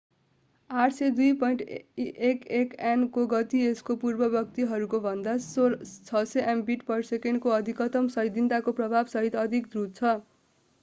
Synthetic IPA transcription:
aʈʰsed̪ujpʌjɳʈiʔekekenkoɡʌt̪ieskopurbʌbjʌk̚t̪iɦʌɾukobʱʌnd̪at͡sʰʌseʔembiʈpʌrsekenkoʌd̪ʱikʌt̪ʌmsʌɦjd̪int̪akoprʌbʱabsʌɦit̪ʌd̪ʱikd̪rut͡sʰʌ

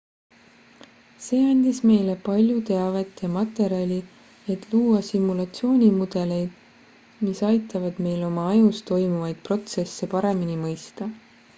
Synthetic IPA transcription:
se̞ːɑnʲd̪̥ʲisme̞jle̞pɑlʲjut̪e̞ɑve̞t̪jɑmɑt̪ːˑe̞ɾiɑlʲi | e̞t̪ːˑluːwɑsimːulɑt̪sio̞ːnʲimud̪̥e̞le̞jd̪̥ | misɑjt̪ːˑɑvɑd̪̥me̞jlo̞mɑɑjust̪o̞jmuvɑjd̪̥̚pro̞t̪se̞sːe̞pɑɾe̞minimɤjst̪ɑ

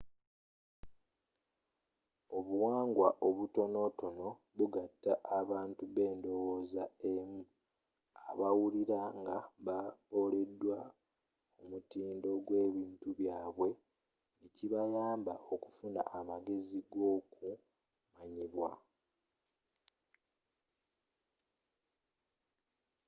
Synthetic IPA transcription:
o̞βuwaːŋɡwaʔo̞βuto̞no̞to̞no̞ | βuɡatːaʔaβaːntuβe̞ːndo̞woːzaemu | a̰βawuliɾaŋɡaβaβo̞ːle̞dːwa | umutiːndo̞ɡwe̞ːβiːntuβjaːβwe̞ | niciβajaːmbaʔo̞ku̥funa̰ʔamaɡe̞ziɡo̞ku | maɲiβwa̰

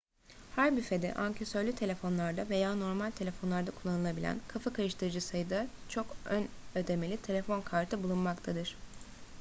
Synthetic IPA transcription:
hæɾbyfe̞d̪ɛ̰ʔancʰesøɾlʲyt̪ʰe̞lʲe̞fo̞nlˠaɾd̪ave̞jaːno̞ɾmalʲt̪ʰe̞lʲe̞fo̞nlˠaɾd̪akʰulˠːanɯlˠabilʲæ̰nkʰafakaɾɯʃt̪ʰɯɾɯd͡ʒɯsajɯd̪at͡ʃʰo̞kønød̪e̞me̞lʲit̪ʰe̞lʲe̞fo̞nkʰaɾt̪ʰɯbulˠunmakt̪ʰad̪ɯɾ̥

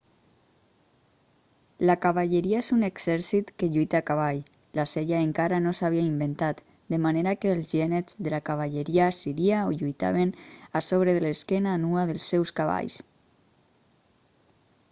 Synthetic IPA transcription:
lakaβaʎeɾiaezuneɡz̥ɛɾsit̪keʎujt̪akaβ̞aʎ | laseʎaeŋkaɾanosaβiaimbent̪at̪ | d̪emaneɾakeːlˠzʒɛnezðelakaβ̞aʎeɾiasiɾiaoʎujt̪a̰β̞enasoβ̞ɾeðeleskɛnaːnuaðelˠsːɛwskaβa̰ʎs

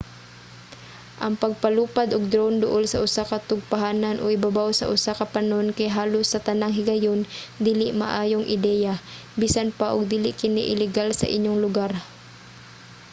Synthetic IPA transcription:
ʔɐŋpɐɡ̚pɐluːpad̪ʔʊɡ̚d̪ɾond̪ʊʔolsɐʔʊsakɐt̪ʊɡ̚paɦaːnɐnʔoʔɪbabawsɐ̰ʔʊsakɐpanonkɐjɦaːlosːɐt̪ɐnaŋɦɪɡɐjond̪iːlɪʔmɐ̰ʔaːjoŋʔɪd̪ɛːja | biːsanpaʔʊɡ̚d̪iːlɪʔkɪnɪ̰ʔɪlɪɡalsɐ̰ʔɪɲːoŋlʊɡaɾ

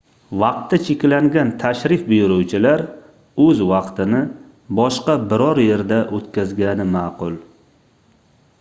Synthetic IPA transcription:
vɑqt̪ʰːat͡ʃʰekʲlaŋɡʲant̪ʰaʃɾɪfbʊjʊɾʊwt͡ʃʰɪlaɾ | ɵzvɑqt̪ɪnɪ | bɒʃqɑbɪɾɒɾje̞ɾd̪aʔot̪kʲazɡʲanɪmaːqʊlˠ

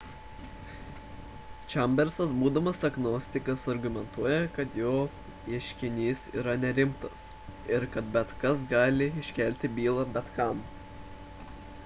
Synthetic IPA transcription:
t͡ʃʲɛmʲbʲɛɾsɐsbuːd̪ɐmɐsɐɡnoːsʲt̪ʲɪkɐsɐɾɡʊmʲɛnt̪uɔjɛkɐt̪joː | iɛʃʲkʲɪnʲiːsḭːɾɐnʲɛɾʲɪmt̪ɐs | ɪɾkɐt̪̚bʲɛt̪kɐs̬ɡɑːlʲɪɪʃʲkʲɛˑlʲt̪ʲɪbʲiːlˠɐbʲɛt̪kɐm

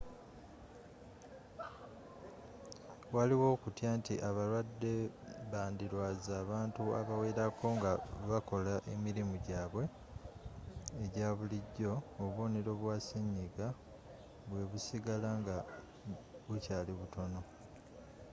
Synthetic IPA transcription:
waliwo̞ːkutjaːntiʔaβalwadːe̞βaːndiɾwazaːβaːntuaβaweːɾakʰo̞ŋɡaβako̞laʔe̞̰miɾimuɟaːβwe̞ | ɟaːβuliɟːo̞ːβo̞ːneɾo̞βwaːseɲːiɡa | βwe̞βusiɡalaŋɡa | βucaːliβuto̞no̞

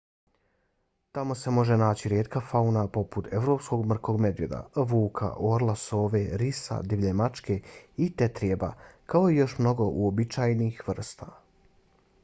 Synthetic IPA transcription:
t̪amo̞se̞mo̞ʒe̞naːt͡ɕiɾjeːt̪kafaunapo̞put̪e̞ʋɾo̞psko̞ɡmr̩ko̞ɡme̞d̪ʋjed̪a̰ʋuːkʰa̰ʔo̞ɾlˠaso̞ːʋe̞ɾisa̰d̪iʋʎemat͡ʃkeit̪et̪ɾijeba̰kao̞ijo̞ʃmno̞ɡo̞ʔuobit͡ʃaːjniːxʋr̩st̪a̰

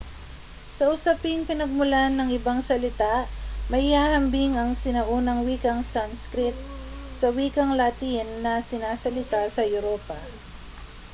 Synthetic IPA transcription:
sɐʔʊsɐpɪŋpɪnɐɡ̚mʊlanːɐŋɪbaŋsɐlɪt̪amɐjhaːhɐmbɪŋɐŋsɪnɐʔuːnɐŋwiːkɐŋsanskɾɪt̪̚sɐwiːkɐŋlɐt̪inːɐsɪnaːsɐlɪt̪asɐjʊɾoːpɐ

